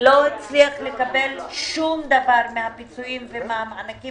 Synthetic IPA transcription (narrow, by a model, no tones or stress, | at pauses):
lo̞hit͡sliaχle̞kabe̞lʃumd̪avaʁmehapit͡suimvemaamanaki